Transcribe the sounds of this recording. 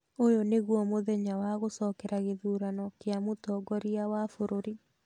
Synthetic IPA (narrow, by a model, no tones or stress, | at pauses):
ojoneɣwɔmoðɛɲawaɣosɔkɛɾaɣeðuːɾanɔkeamotɔːɡɔɾiawafoɾoɾi